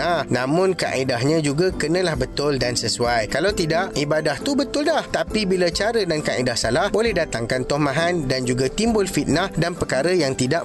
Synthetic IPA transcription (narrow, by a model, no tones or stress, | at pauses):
ahnãmʊ̃nka̰ʔidaɦɲãd͡ʒuɡakənə̃lahbət̪ʊldansəsuajkalawt̪idaʔibadaht̪ubət̪ʊldaht̪apibilat͡ʃaɾədankaʔidahsalahbolɛhdat̪aŋkant̪ɔhmãɦandand͡ʒuɡat̪imbʊlfit̪̚nahdanpəkaɾəjaŋt̪idaʔ